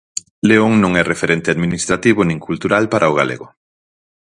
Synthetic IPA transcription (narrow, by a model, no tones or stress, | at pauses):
leoŋnõŋɛrefeɾent̪eaðminist̪ɾat̪iβonĩŋkult̪uɾalpaɾʔaoɣ̞alḛɣʊ